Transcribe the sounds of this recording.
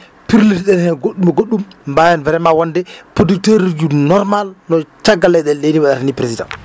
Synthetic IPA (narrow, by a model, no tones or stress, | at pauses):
piɾlitɗɛnhɛɡoɗːumaɡoɗːumbajanvɛɾɛmawɔndɛpoduk̚teɾid͡ʒunɔɾmalnɔt͡ʃaɡːalɛɗɛɗeniwaɗatanipɾesida̰ŋ